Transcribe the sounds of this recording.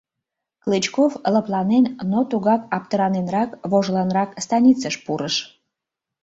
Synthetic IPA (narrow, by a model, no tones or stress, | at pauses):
klɨt͡ɕkofləplɑnennot̪uɣɑkɑp̚t̪əɾɑnenrɾɑkβoʒlɑnɾɑkst̪ɑnʲit͡səʃpuɾəʃ